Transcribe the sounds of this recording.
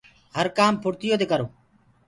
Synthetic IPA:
ɦəɾkaːmpʰʊɽt̪ɪjoːt̪eːkəɾoː

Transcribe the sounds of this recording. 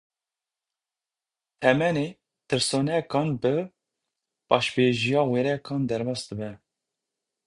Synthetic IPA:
t̪ʰɛmɛneː | t̪ʰɨɾsonɛkɑːnbɨ | b̥ɑːʃbeʒijɑːweɾɛkʰɑːnd̪ɛɾbɑːsd̪ɨbɛ

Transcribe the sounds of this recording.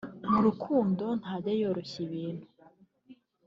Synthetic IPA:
muɾukʰuːndo̞n̥haːɟejoɾoɕiβiːn̥hu

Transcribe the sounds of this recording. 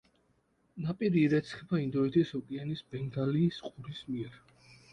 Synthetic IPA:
napʼiɾiːɾɛt̪sʰχɛbaind̪ɔit̪ʰʼishɔkʼɛanisbɛŋɡ̪aliːsqʼuɾismiɛɾ

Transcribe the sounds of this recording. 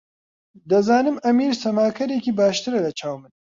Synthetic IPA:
d̪ɐzaːnɨmɐmiːɾsɐmaːkʰɐɾekiːbaːʃt̪ɨɾɐlɐt͡ʃʰaːwmɨn

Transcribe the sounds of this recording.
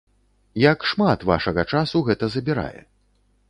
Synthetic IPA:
jɐkʂmat̪va̰ʂɐɣɐt͡ʂasuɣɛt̪ɐzɐbʲiɾa̰jɛ̰

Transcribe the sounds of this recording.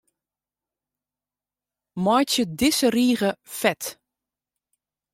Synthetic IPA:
mɔjtjədɪsəriːɣəfɛt

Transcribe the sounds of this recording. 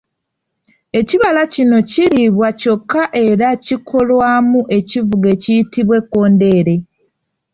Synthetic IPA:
e̞ciβalacino̞ciɾiβwaco̞kːaʔe̞ɾacikʰo̞lwaːmuʔe̞civuɡe̞cijitiβwe̞kːo̞ːnde̞ːɾe̞

